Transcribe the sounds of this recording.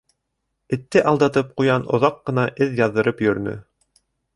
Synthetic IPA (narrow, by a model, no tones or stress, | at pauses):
ɘ̆t̪ːɘʔɑlˠd̪ɑt̪ɤp̚qujɑnŏ̰ðɑqːɤ̆nɑʔɘðjɑðːɤ̆ɾɤpjɵ̆ɾɘ̆nɵ̰